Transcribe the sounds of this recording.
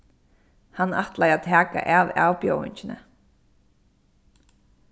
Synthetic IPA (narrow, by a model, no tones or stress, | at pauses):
hanːaht̪lajat̪ʰæːka̰ʔava̰ːwpjowɪ̰ɲcɪnə̰